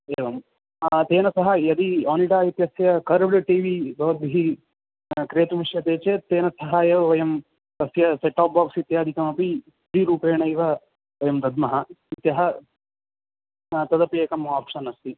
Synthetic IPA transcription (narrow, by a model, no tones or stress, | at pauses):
eːʋɐm | t̪eːnɐsɐɦɐjɐd̪iaːniʈaːit̪jɐsjɐkɐɾɐblɐʈiːʋibɐʋɐd̪̚bʱiɦi | kɾeːt̪uʋiʂjɐt̪eːt͡ʃet̪eːnɐsɐɦaːjɐʋɐʋɐjɐm | t̪ɐsjɐseʈaːp̚baːksit̪jaːd̪ʱikɐmɐpi | d̪iɾuːpeːɳɐjʋɐ | ʋɐjɐmd̪ɐd̪mɐɦɐit̪jɐɦɐ | t̪ɐd̪ɐpeːkɐmaːpʂɐnɐst̪i